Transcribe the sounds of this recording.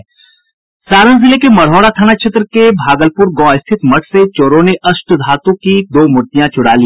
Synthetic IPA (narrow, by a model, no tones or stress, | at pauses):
saːɾənzɪlekemɐɽ̤ɔːɽat̪ʰaːnakʃʰet̪ɾəkebʱaːɡəlpʊɾɡɔ̃ːɪst̪ʰɪt̪mɐʈʰset͡ʃoːɾõneʔɐsʈd̪ʱaːt̪õkid̪oːmʊɾt̪ijãt͡ʃʊɽaːliː